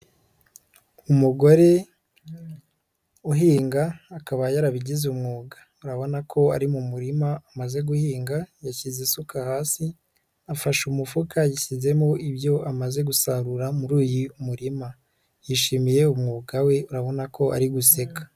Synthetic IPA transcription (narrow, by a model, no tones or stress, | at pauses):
umuɡo̞ɾe̞ | uɦiːŋɡaːkaβajaɾaβiɟizumŋuːɡḁ | uɾaβo̞nakʰo̞aɾimumuɾimaːmaze̞ɡuhiːŋɡajaçizesukahaːsi | afaʃumufukajiçize̞moʔibjo̞ʔamaze̞ɡusaɾuɾamuɾuːjiumuɾima | jiʃimije̞umŋuːɡawe̞uɾaβo̞nako̞ʔa̰ɾiɡuse̞kḁ